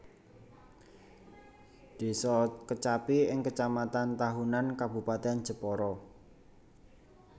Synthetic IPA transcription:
d̪̥e̤sɔkət͡ʃapiɪŋkət͡ʃamat̪ant̪aɦunankabṳpat̪ean̥d͡ʒə̤pɔɾɔ

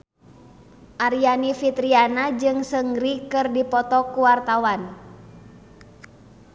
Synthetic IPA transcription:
ʔaɾianifit̪ɾianad͡ʒɨŋsəŋɡɾikɨrdipɔt̪ɔkuwart̪awan

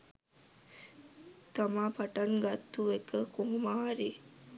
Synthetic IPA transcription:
t̪amaːpaʈɐŋɡat̪ːuekəkuɦmaːaɾi

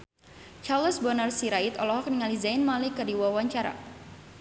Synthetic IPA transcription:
t͡ʃarləsbɔnərsiɾait̪ɔlɔɦɔk̚niŋalizainmalikərdiwawaɲt͡ʃaɾa̰

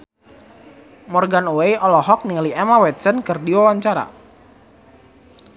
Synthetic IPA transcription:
mɔrɡanoejʔɔlɔɦɔk̚niliɛmawɛt̪̚sənkɨrdiwawaɲt͡ʃaɾa̰

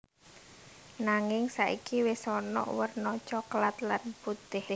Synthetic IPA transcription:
naŋɪŋsaʔikiwesɔnɔ̰ʔwərnɔt͡ʃɔklat̪lanput̪ɪh

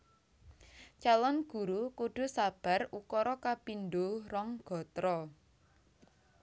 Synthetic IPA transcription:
t͡ʃalɔnɡ̥ṳɾukuɖ̥o̤sab̥a̤rukɔɾɔkapinɖorɔŋɡ̥ɔ̤t̪ɾɔ

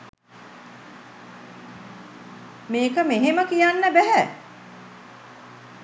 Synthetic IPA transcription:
meːkəmeɦeməkijanːəbæɦæ

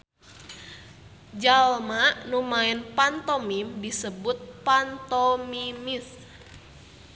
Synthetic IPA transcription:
d͡ʒalmaʔnumaɛnpant̪ɔmimdisəbʊt̪̚pant̪ɔmimis

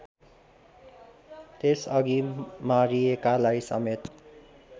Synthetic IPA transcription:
t̪esʌɡimaɾijekalaisʌ̰met̪

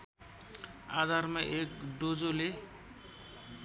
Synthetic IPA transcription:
ad̪ʱarmaʔekɖod͡zole

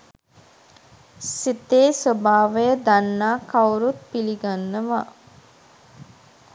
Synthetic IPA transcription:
sit̪eːsobaːʋəjəd̪anːaːkawɾut̪̚piliɡanːəʋa

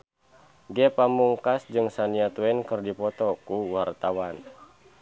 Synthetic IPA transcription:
ɡɛpamuŋkasd͡ʒɨŋsaniat̪uɛnkɨrdipɔt̪ɔkuwart̪awan

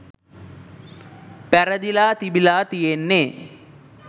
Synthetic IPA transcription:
pæɾəd̪ilaːt̪ibilaːt̪ijenːe

